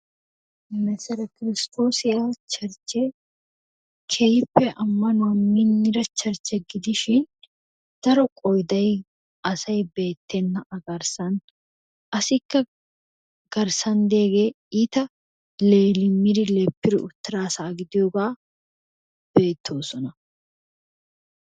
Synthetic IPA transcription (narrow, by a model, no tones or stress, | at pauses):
mɛsɛɾɐkɪɾɪst̪ʰo̞ːsɪjaːt͡ʃɐɾt͡ʃːe | kʰejpːɛʔɐmːɐnʊɐmːɪnːɪɾɐt͡ʃːɐɾt͡ʃːɛɡɪd̪ɪʃɪn | d̪̥ɐɾɔkʼɔjd̪ɐj | ɐsɐjbe̞ːt̪ːɛnːɐʔɐɡɐɾsɐn | ʔɐsɪkːɐ | ɡ̥ɐɾsɐnd̪e̞ːɡeː | ɪt̪ɐ | leːlɪmːɪɾɪlepːɪɾɪʊt̪ːɪɾaːsaːɡɪd̪ɪjoːɡaː | b̥e̞ːt̪ʰːo̞ːsɔnɐ